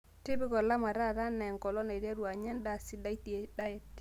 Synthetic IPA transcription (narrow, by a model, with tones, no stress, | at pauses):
tɪ˦bɪ˦kɔ˨la˦ma˨ɾa˦˨ɾa˦nɛ˨ŋkɔ˨lɔ˦na˨ɾja˦ɾu˨a˨ɲɛ˦nda˨si˦da˦i˦ti˨e˦da˦ɛ˦t